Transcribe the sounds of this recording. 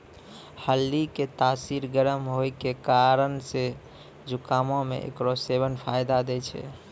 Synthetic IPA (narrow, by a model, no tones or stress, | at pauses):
həlːiket̪asiɾɡəɾəmɦojkekaɾənse | d͡ʒukamomḛʔḛkɾosebənpʰajd̪ad̪ɛt͡ʃʰɛ̰